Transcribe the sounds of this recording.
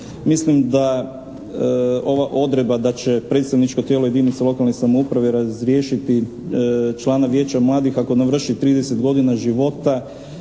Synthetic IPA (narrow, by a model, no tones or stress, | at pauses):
mislimd̪a | o̞ʋaʔo̞d̪ɾe̞d̪̚bad̪at͡ɕe̞pɾet̪st̪aʋnit͡ʃko̞t̪jelo̞je̞d̪init̪selo̞kalnesamoupɾaʋeɾazɾjeːʃit̪i | t͡ʃlˠaːnaʋje̞ːt͡ɕamlˠaːd̪ixako̞naʋr̩ʃit̪ɾiːd̪eset̪ɡo̞d̪inaʒiʋo̞t̪a